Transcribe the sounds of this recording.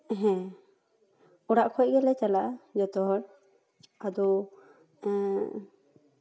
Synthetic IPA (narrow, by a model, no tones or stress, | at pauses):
ɦɛ̃ | ɔɽaʔkʰɔc̚ɡɛlɛt͡ʃalaʔd͡ʒɔt̪ɔɦɔɽ | ad̪ɔ